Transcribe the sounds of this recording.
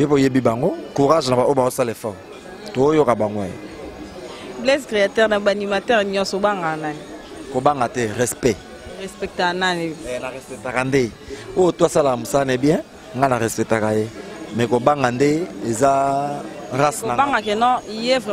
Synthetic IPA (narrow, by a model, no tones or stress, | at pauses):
jepojebibaŋɡokuʁaʒnabaobaosalefɔʁ | toojokabaŋɡoajḛ | blɛskʁeatɛʁnabanimatɛʁniɔ̃sobaŋɡanane | kobaŋɡatɛʁɛspɛ | ʁɛspɛk̚tananeɛnaʁɛspɛtakande | ojotoasalakamosanɛbjɛ̃ | ŋɡanaʁɛspɛtakajemɛkobaŋɡandeeza | ʁasnaaŋɡakenɔ̃ijevɛ